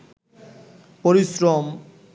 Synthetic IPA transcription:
poɾisɾɔm

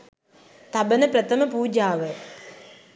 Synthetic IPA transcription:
t̪ɐbɐnɐpɾɐt̪ɐmɐpuːd͡ʒaːʋə

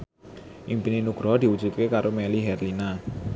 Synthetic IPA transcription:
ʔimpininuɡ̥ɾɔd̪̥i̤wu̥d͡ʒ̥ṳt̪̚kekaɾomɛliɦɛrlina

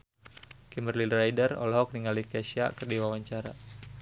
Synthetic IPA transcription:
kimərlinrajdərɔ̰lɦɔk̚niŋalikɛʃia̰kərdiwawaɲt͡ʃaɾa̰

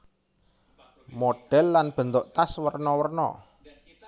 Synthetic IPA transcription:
moɖ̥ɛ̤lːanb̥ə̤nt̪oʔt̪aswərnɔwərnɔ̰

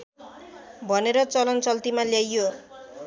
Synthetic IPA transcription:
bʱʌneɾʌt͡sʌlʌnt͡sʌlt̪imaljajːo

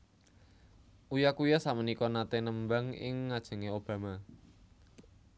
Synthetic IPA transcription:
ʔujakujɔsamənikɔnat̪enəmbaŋɪ̰ŋːad̥ʒ̥ə̤ŋeob̥ä̤ma

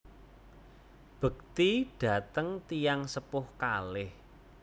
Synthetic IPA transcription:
b̥ə̤k̚t̪iɖ̥ä̤t̪əŋt̪ijaŋsəpʊhkalɪh

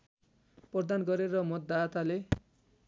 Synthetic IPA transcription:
pʌd̪anɡʌɾeɾʌmʌt̪ːat̪ale

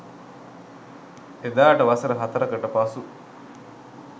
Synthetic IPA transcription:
ed̪aːʈɐʋɐsɐɾɐɦɐt̪ɐɾɐkɐʈɐpaːsu

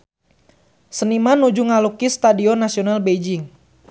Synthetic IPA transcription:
sənimanud͡ʒuŋalukist̪adiɔnasiɔnalbed͡ʒɪŋ

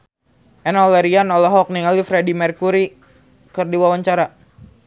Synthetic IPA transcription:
ʔɛnɔlɛɾianɔlɔɦɔk̚niŋalifɾedimɛrkuɾi | kɨrdiwawaɲt͡ʃaɾa

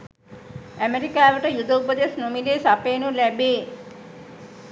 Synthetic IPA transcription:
æmeɾikaːʋəʈəjud̪əupəd̪esnumileːsapeːnulæbeː

